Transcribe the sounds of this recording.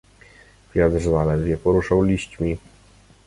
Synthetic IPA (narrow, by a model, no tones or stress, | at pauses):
vʲjad̪ʐvalɛɾvʲjɛpɔɾuʂawlʲiɕt͡ɕmʲi